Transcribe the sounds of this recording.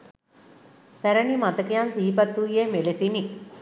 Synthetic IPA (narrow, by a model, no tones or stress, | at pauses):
pɛɾɐɳimɐt̪ɐkijaːnsiːpɐt̪ːuːjeːmelisini